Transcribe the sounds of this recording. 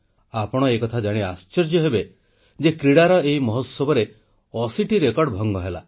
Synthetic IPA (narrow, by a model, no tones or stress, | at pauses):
apɔɽ̃ɔekɔt̪ʰad͡ʒaɽ̃east͡ʃɔɾd͡ʒjɔɦebe | d͡ʒekɾiɽaɾɔeɦimɔɦɔsɔbɔɾe | ɔsiʈiɾekɔɾɖbʱɔŋɡɔɦela̰